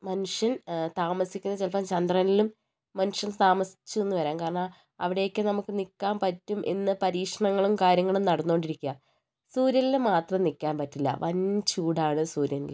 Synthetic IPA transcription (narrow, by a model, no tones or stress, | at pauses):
mɐnuʂjɐnt̪aːmɐsikʲːunːɐt͡ɕelpɐmt͡ɕɐnd̪rɐnilumː | ɐnuʂjɐnt̪aːmɐsi̥t͡ɕːue̞nːuʋɐɾaːnkaːɾɐɳa | ɐ̰ʋiɽe̞jokːɨnɐmukːɨnikːaːnpɐtːumʔḛnːɨpɐɾiːkʂɐɳɐŋːɐɭumkaːɾjɐŋːɐɭumnɐɽɐnːooɳɖiɾikʲːuɐ | suːɾjɐnilmaːt̪rɐmnikʲːaːnpɐtːilːɐ̰ʋɐnt͡ɕuːɽaːɳɨsuːɾjɐnḭl